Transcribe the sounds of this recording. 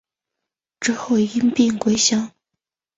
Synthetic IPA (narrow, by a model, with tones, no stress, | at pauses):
ʈ͡ʂɻ̩˥xo˥˩ʊi˥npi˥˩ŋkwe˥ɪɕjɑ˥ŋ